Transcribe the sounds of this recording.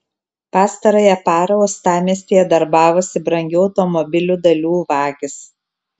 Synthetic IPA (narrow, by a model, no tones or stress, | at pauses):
pɑːst̪ɐɾoːjɛpɑːɾɐɔst̪ɑːmʲiɛsʲt̪ʲiːjɛd̪ɐɾbɑːʋoːsʲɪbɾɐŋʲɡʲuːɒʊt̪ɔmɔbʲɪlʲuːd̪ɐlʲuːʋɑːɡʲɪs